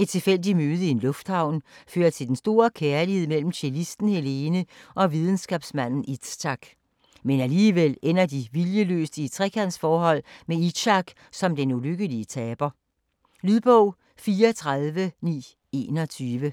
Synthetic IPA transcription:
e̝d̥̚t͡sʰe̝lfel̰d̥imøːð̞ˠəie̝nlɔ̽fd̥hɑ̈ʊ̰nføːɐt͡sʰe̝ld̥ensd̥o̝ːɐkʰæɐlihe̝ð̰ˠmel̰m̩ɕʰelisd̥n̩hele̝ːnəʔɒ̽ʋið̞ˠn̩sɡ̥ɛ̰ːb̥smæn̰n̩i̥ɑ̈ɡ̥ | menæliːʋel̰en̰ɐd̥iʋiljəlø̰ːsd̥it͡sʰʁɛkʰæn̰sfɒːɦɒ̽l̰mei̥ɕɑ̈ɡ̥ | sɒ̽md̥enuløɡ̥əliət͡sʰɛːb̥ɐ | lyðˠb̥ɔʊ̰ | fiːɐt͡sʰʁaðˠʋənḭː | e̝̰ːnɒ̽t͡sʰyːʋə

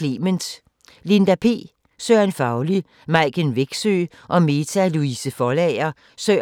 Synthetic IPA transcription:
lemənd̥ | lind̥æpʰe̝̰ː | søːænfɑ̈ʊli | mɑ̈ɪ̰ɡ̥enʋeɡ̥sø̰ː | ʔɒ̽me̝t͡sʰæluisəfɒlɛɪɐ | sø

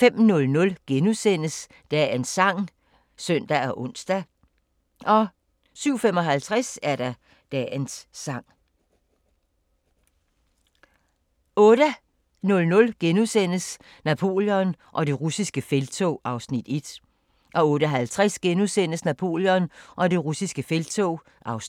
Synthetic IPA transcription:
fem̰nɔ̽lnɔ̽lɡ̥enusen̰əs | d̥ɛensɑ̈ŋ̰ | sœn̰d̥æɒʔɔ̽n̰sd̥æ | ʔɒ̽ | syʊ̰fem̰ɒ̽ɦælt͡sʰʁasæɐɾ̥ɑ | d̥ɛnsːɑ̈ŋ̰ | ɔ̽ːɾ̥ə | nɔ̽lnɔ̽lɡ̥enusen̰əs | næpʰo̝̰ːljɔ̽nʔɒ̽d̥e̝ʁusisɡ̥əfelt͡sʰoɑ̈ʊsnid̥e̝d̥ | ʔɒ̽ɔ̽ːɾ̥əɦælt͡sʰʁasɡ̥enusen̰əsnæpʰo̝̰ːljɔ̽nʔɒ̽d̥e̝ʁusisɡ̥əfelt͡sʰoː | ʔɑ̈ʊs

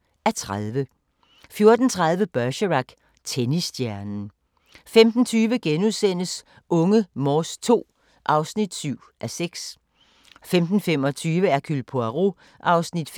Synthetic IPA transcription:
æɐt͡sʰʁaðˠʋə | fjo̝ɐd̥n̩t͡sʰʁað̞ˠʋəb̥ɶɐɕəʁɑɡ̥ | t͡sʰenisd̥jæɐnn̩ | femd̥n̩t͡sʰyːʋəɡ̥enuðˠsen̰əs | ʔɔ̽ŋəmɒːst͡sʰo̝̰ː | ʔɑ̈ʊsnid̥syʊ̰ʔæseɡ̥s | femd̥n̩fem̰ɒ̽t͡sʰyːʋəæɐkʰylpʰoæʁo | ʔɑ̈ʊsnid̥f

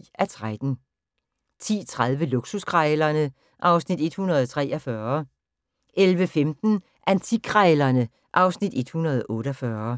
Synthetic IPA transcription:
æt͡sʰʁad̥n̩ | t͡sʰḭːt͡sʰʁað̞ˠʋəluɡ̥suskʰʁaɪlɐnə | ʔɑ̈ʊsnid̥e̝d̥hunɐð̞ˠt͡sʰʁɛ̰ːʔɐfɶːɐ | ʔelʋəfemd̥n̩ | ʔænt͡sʰikʰʁalɐnə | ʔɑ̈ʊsnid̥e̝d̥hunɐð̞ˠɔ̽ːɾ̥əɒfɶːɐ

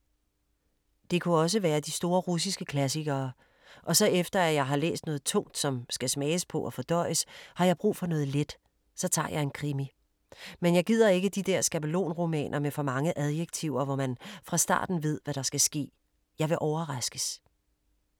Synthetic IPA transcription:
d̥e̝kʰuɒ̽s̬əʋæːɐd̥isd̥o̝ːɐʁus̬isɡ̥əkʰlæs̬iɡ̥ɐː | ʔɒ̽sɒ̽efd̥ɐæjɑ̈ɪɦɑ̈lḛːsd̥nɔ̽ːð̞̩ˠt͡sʰɔ̽ŋ̰d̥sɒ̽msɡ̥æsmɛːəspʰɒ̽ʔɒfɒ̽d̥ɒ̽ɪ̰əshɑ̈jɑ̈ɪb̥ʁṵːfɒ̽nɔ̽ːðˠled̥ | sɒ̽t͡sʰɑ̰̈ːjɑ̈ɪe̝nkʰʁimi | menjɑ̈ɪɡ̥ið̰ˠɐe̝ɡ̥əd̥id̥eɐ̰sɡ̥æbəlo̝̰ːnʁo̝mɛ̰ːnʔɐmefɒ̽mɑ̈ŋəʔæð̞ˠjeɡ̥̚t͡sʰiʊ̰ɐʋɒmænfʁɑ̈sd̥ɑ̰̈ːd̥n̩ʋe̝ð̞̰ˠʋæɾ̥ɑ̈sɡ̥æsɡ̥e̝̰ː | jɑ̈ɪʋe̝ʔɒʊɐʁɑsɡ̥əs

